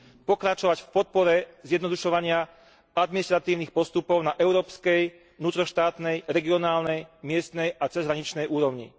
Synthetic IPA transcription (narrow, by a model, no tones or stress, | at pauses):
pɔkɾat͡ʃɔʋacfpɔt̪̚pɔɾɛzjɛd̪nɔd̪uʃɔʋaɲɪa | ad̪miniʃt̪ɾat̪iːʊnixpɔst̪upɔʊnaʔɛʊɾɔːpskɛj | nuːt̪ɾɔʃt̪aːt̪nɛjɾɛɡiɔnaːlnɛjmɪɛst̪nɛjat͡sɛzɦɾaɲit͡ʃnɛjʔuːɾɔʊɲḭ